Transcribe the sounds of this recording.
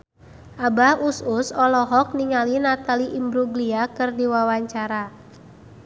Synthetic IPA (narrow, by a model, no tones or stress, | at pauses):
ʔabahususɔlɔɦɔk̚niŋalinat̪aliʔimbɾuɡliakɨrdiwawaɲt͡ʃaɾa